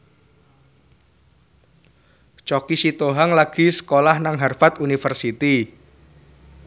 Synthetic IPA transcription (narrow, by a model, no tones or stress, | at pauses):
t͡ʃokisit̪oɦaŋlaɡ̥i̤sə̥kolahnaŋɦarfat̪unifərsit̪i